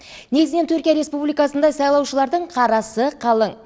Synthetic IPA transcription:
ne̞ɡɪznent̪ʰɵɾkʲijaɾe̞spublijkɑsənd̪ɑjsɑjlˠɑwʃəlˠɑɾd̪əɴqʰɑɾɑsəqʰɑlˠəɴ

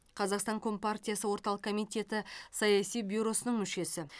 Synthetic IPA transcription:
qʰɑzɑqst̪ɑŋkʰo̞mpart̪ʲijasəwo̞ɾt̪ɑlˠəqkʰomijt̪ʲe̞t̪ɪsɑjɑsijbʲuɾo̞sənəɴmʏʃe̞sɪ

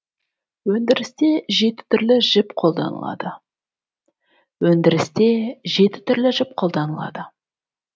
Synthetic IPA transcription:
wɵnd̪ɪɾɪst̪e̞ʒe̞t̪ɪ̥t̪ʰʏɾlɪʒ̥ɪpqʰo̞lˠd̪ɑ̰nə̰lˠɑ̰d̪ə | wɵnd̪ɪɾɪst̪e̞ʒe̞t̪ɪ̥t̪ʰʏɾlɪʒɪp̚qʰo̞lˠd̪ɑnəlˠɑ̰d̪ə

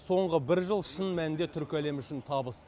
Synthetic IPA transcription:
so̞ɴʁəbɪɾʒəlˠʃənmænɪnd̪e̞t̪ʰʏɾkʲæle̞mʏʃɪnt̪ʰɑbəs

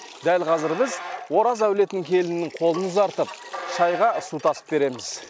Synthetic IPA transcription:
d̪ælqʰɑzɪɾbɪzwo̞ɾɑzæwle̞t̪ɪnɪŋkʲʰe̞lɪnɪnːɪŋqʰo̞lˠənəzɑɾt̪əp̚ʃɑjʁɑsut̪ʰɑsə̥p̚be̞ɾe̞mɪz̥

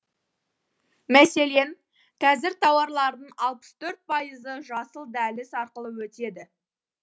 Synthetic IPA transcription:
mæse̞le̞n | qʰɑzɪɾt̪ʰɑwɑɾlˠɑɾd̪əɴɑlˠpə̥st̪ʰɵɾt̪̚pʰɑjəzəʒɑsəlˠd̪ælɪsɑɾqəlˠəwɵt̪e̞d̪ɪ

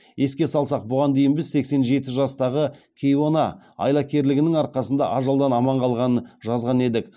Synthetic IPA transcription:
je̞skʲe̞sɑlˠsɑq̚bʊʁɑnd̪e̞jɪnbɪzse̞kse̞nʒe̞t̪ɪʒɑst̪ɑʁəkʲʰejo̞nɑ | ɑ̰jlˠɑkʲe̞ɾlɪɡʲɪnɪŋɑɾqɑsənd̪ɑʔɑʒɑlˠd̪ɑnɑmɑɴqʰɑlˠʁɑnənʒɑzʁɑne̞d̪ɪk

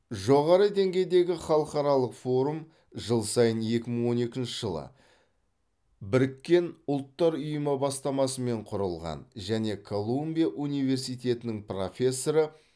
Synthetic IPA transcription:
ʒo̞ʁɑɾəd̪e̞ŋɡʲe̞jd̪e̞ɡʲɪχɑlˠəqɑɾɑlˠəqfo̞ɾum | ʒəlˠsɑjənje̞kʲɪməɴwo̞ne̞kʲɪnʃɪʒ̥əlˠə̰ | bɪɾɪkʲːe̞nʊlˠt̪ːɑɾʊjəməbɑst̪ɑmɑsəme̞ɴqʰʊɾəlˠʁɑ̰nʒæne̞kʰo̞lˠumbʲijaʔunijve̞ɾsijt̪e̞t̪ɪnɪŋpro̞̰fʲe̞sːo̞ɾə

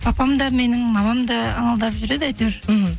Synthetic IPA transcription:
pʰɑpɑmd̪ɑme̞nɪŋmɑmɑmd̪ɑːɴəlˠd̪ɑpʒʏɾed̪ɪæt̪yɾ̩

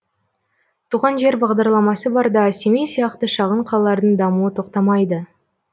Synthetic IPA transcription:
t̪ʰuʁɑnʒe̞ɾbɑʁd̪ɑɾlˠɑmɑsəbɑɾd̪ɑsemijsijɑqt̪əʃɑʁəɴqʰɑlˠɑlˠɑɾd̪əɴd̪ɑmuət̪ʰo̞qt̪ɑmɑjd̪ə

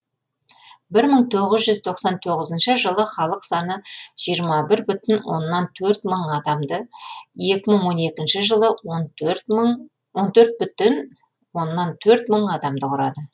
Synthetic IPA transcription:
bɪɾməɴt̪ʰo̞ʁəzʒʏzt̪ʰo̞qsɑnt̪ʰo̞ʁəzənʃəʒəlˠəχɑlˠəqsɑnəʒ̥ijəɾmɑbɪɾbʏt̪ɪnwo̞̰nːɑnt̪ʰɵɾt̪məɴɑd̪ɑmd̪əje̞kʲɪməɴwo̞ne̞kʲɪnʃɪʒəlˠə | wo̞nt̪ʰɵɾt̪̚bʏt̪ɪn | wo̞nːɑnt̪ʰɵɾt̪məɴɑd̪ɑmd̪əqʰʊɾɑd̪ə

